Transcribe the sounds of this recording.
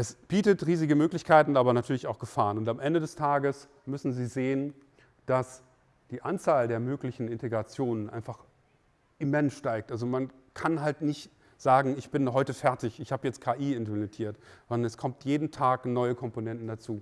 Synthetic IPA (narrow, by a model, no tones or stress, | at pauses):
ʔɛsb̥iːtətʁiːzɪɡəmøːklɪçkʰaɪtn̩aːbɐnatʰyːɐlɪçaʊxɡ̥əfaːʁənʊntamʔɛndədɛstʰaːɡəs | mʏsn̩ziːzeːən | d̥as | d̥iːʔant͡saːldeːɐmøːklɪçn̩ɪnteɡʁat͡sjoːnənʔa̰ɪnfaχ | ʔɪmɛnsʃtaɪk̚tʔalzoman | kʰanɦaltnɪçt | z̥aːɡŋ̩ɪçb̥ɪnɦɔʏtəfɛɐtɪçɪçhaːbəjɛt͡st̚kʰaːʔiːɪntɐnetʰiːɐtz̥ɔndɐnɛskʰɔmtjeːdn̩tʰaːknɔʏəkʰɔmponɛntn̩dat͡suː